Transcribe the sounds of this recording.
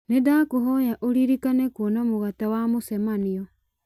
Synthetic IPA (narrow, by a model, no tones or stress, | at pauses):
nedakoɦɔjaʔoɾiɾikanɛkwɔnamoɣatawamosɛmaniɔ